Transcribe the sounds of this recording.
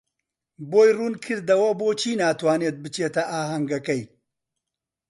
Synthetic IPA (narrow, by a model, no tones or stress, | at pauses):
boːjruːnkʰɨɾd̪ɐwɐboːt͡ʃʰiːnaːt̪waːneːt̪̚bɨt͡ʃeːt̪ɐʔaːɦɐŋɡɐkɐj